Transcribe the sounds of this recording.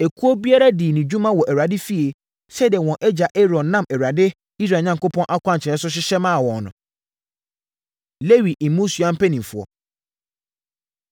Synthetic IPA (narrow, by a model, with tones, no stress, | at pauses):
ɛ˨kʰu˦ɔ˦bi˦a˦ɾa˦di˨nĩ˨d͡ʑũ˦mã˦wɔ˨ʔæ˨a˨dɪ˦fi˦e˨ | sɛ˦dɪ˨ɛ˨wɔ̃˨ʔɛ˦d͡ʑa˨ʔe˦ɾɔ̃˨n˦nã˦mɛ˨wa˨dɪ˦ | i˦s̬ɾa˨ɲã˨ŋko˦pʰɔ̃˦nʔa˦kʷʰã˦ɲ˨t͡ɕʰɪ˨ɛ̃˨˦s̬ʊ˦ɕ̬ɪ˦ɕɛ˦mã˦˨wɔ̃˨nʊ̰̃˨ | le˦wi˨ʔmũ˦su˨ã˦m̩˦pɛ˦nĩ˨m˨fʊ˨ɔ̰˨